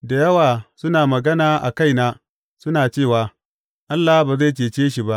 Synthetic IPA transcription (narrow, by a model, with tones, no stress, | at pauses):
da˨jɐ˦waː˨sʊ˦naː˨mɐ˨ɡɐ˦naː˨ʔa̰˨ka˦˨jnaː˦ | sʊ˦naː˨t͡ʃeː˦˨waː˨ | ʔa˦lːa˨hbaː˨za˦˨t͡ʃ̬eː˨t͡ʃeː˦ʃi˨ba˦ʔ